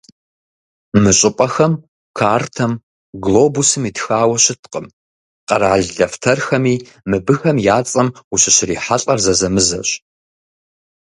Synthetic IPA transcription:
mɨɕʼɨpʼɐxɐm | kʰaːrtʰɐm | ɡloːbusɨmiːtxaːwɐɕɪtʰqʼəm | qɐ̰ɾaːɮɮɐftʰɐrxɐmiː | mɨbɨxɐmjaːt͡sʼɐmuɕɪɕɪriːħaɬʼɐrzɐzɐmɨzɐ̰ɕ

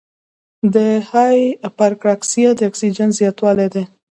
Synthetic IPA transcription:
d̪əhɑjpaɾkɾɑksijad̪əaksid͡ʒanzjɑt̪wɑled̪e

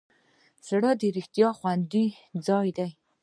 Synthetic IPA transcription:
saɽad̪əɾɪxt̪ijɑxwand̪i | d͡zɑjd̪aj

